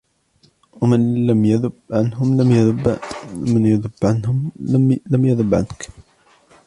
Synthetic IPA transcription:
wamanlamjaðʊbʕanɦʊmlamjaðbmanjaðʊbʕanhʊmamlamjaðˤʊbʕa̰nk

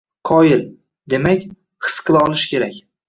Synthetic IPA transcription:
qʰɒjɪl | d̪e̞makʲ | hʰɨ̥sqʰɨlˠaɒlˠɪʃkʲʰe̞ɾakʲ

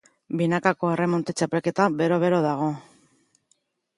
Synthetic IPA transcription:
binakako̞ere̞mo̞nt̪et͡ʃape̞lke̞t̪abe̞ɾo̞βe̞ɾo̞ðaɣ̞o̞

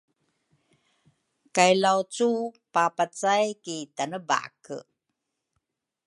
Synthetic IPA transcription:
kajlawt͡supapat͡sajkitanəba̰kə̰

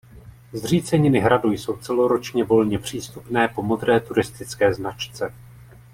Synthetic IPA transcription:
zr̝iːt͡sɛɲɪnɪɦɾadujso̞wt͡sɛlo̞ɾo̞t͡ʃɲɛvo̞lɲɛpr̝̥iːst̪upnɛːpo̞mo̞d̪ɾɛːt̪uɾɪst̪ɪt͡skɛːznat͡ʃt͡sɛ

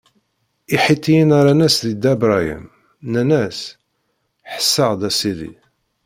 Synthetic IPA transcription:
iħit̪ːijinaɾanæsðid̪æbɾˤajḭm | nænæs | ħə̥sːəʁd̪æsiðḭ

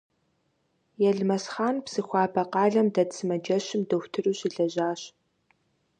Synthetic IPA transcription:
jɛɮmɐsχaːnpsɨxʷɑːbɐqɑːɮɐmdɐtsɨmɐd͡ʒɐɕɪmdɐwtʰɨruːɕɪɮɐʑaːɕ

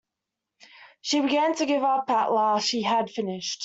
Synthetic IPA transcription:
ʃibɪɡãntʰəɡɪvapʰaʔlaʃiəd̥fɪnɪʃt

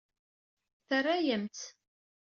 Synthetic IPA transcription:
θərːæjəmt̪

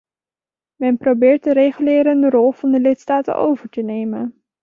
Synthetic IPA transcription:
mɛnprowbɪːɹt̚dəɾejχylɪːɾəndəɾɔlˠv̥ɑndəlɪtstaːtə̰nʔo̰wvəɹtənejmən

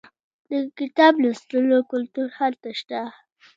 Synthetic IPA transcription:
d̪əkɪt̪ɑblast̪əlokʊlt̪uɾhalt̪aʃt̪a

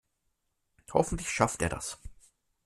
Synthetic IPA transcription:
hɔfn̩tlɪçʃafteːɐda̰s

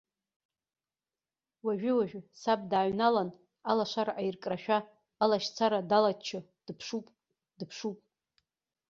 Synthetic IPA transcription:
waʒᶣʏwaʒᶣsab̚daːɥnalan | alaʂʷaɾaʔajrkʼraʃᶣaː | laʃt͡sʰaɾadalat͡ʃʰɨ | d̥pʰʂupʼ | dɨpʰʂupʼ

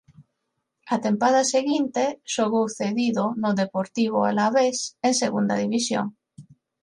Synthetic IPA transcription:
at̪e̞mpaðaseɣint̪eʃoɣoθeðiðonoðepoɾt̪iβ̞oa̰laβesenseɣund̪a̰ðiβisjo̰ŋ

